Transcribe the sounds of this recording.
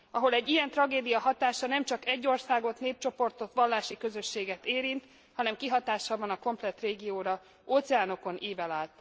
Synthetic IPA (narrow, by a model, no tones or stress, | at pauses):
ɒɦo̞lɛɟːijɛnt̪rɒɡeːd̪ijɒɦɒt̪aːʃɒnɛmt͡ʃɒkɛɟːo̞rsaːɡo̞t̪neːp̚t͡ʃo̞po̞rt̪o̞t̪ʋɒlːaːʃikø̞zø̞ʃːeːɡɛt̪eːɾint̪ | hɒnɛmkiɦɒt̪aːʃɒbɒnɒko̞mplɛt̪reːɡijoːɾɒ | oːt̪sɛaːno̞ko̞nʔiːvɛlaːlt̪